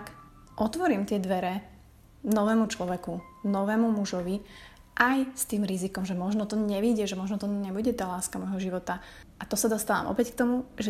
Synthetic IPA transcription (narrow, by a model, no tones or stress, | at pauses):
k | ʔɔt̪ʋɔɾiːmt̪ɪɛd̪ʋɛɾɛ | nɔʋɛːmut͡ʃlɔʋɛkunɔʋɛːmumuʒɔʋi | ʔajst̪iːmɾizikɔmʒɛmɔʒnɔt̪ɔɲɛʋiɟɛʒɛmɔʒnɔt̪ɔɲɛbuɟɛt̪aːlaːskamɔjɦɔʒiʋɔt̪a | ʔat̪ɔsad̪ɔst̪aːʋa̰ːmʔɔ̰pɛckt̪ɔmuʒɛ